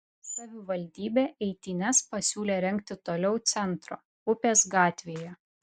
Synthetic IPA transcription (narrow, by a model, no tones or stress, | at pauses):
sɐʋʲɪʋɐlʲd̪ʲiːbʲeːɛɪt̪ʲɪnʲɛspɐsʲuːlʲeːɾʲɛŋʲk̚t̪ʲɪt̪oːlʲɛʊt̪sʲɛnt̪ɾo̰ː | ʊpʲeːsɡɑːt̪ʲʋʲijɛ